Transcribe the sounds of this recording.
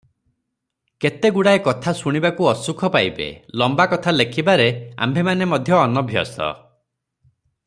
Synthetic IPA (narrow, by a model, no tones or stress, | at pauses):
ket̪eɡuɽaekɔt̪ʰasuɽ̃ibakuɔsukʰɔpajbḛlɔmbakɔt̪ʰalekʰibaɾea̰mbʱemanemɔd̪ʱjɔːnɔbʱjɔ̰sɔ̰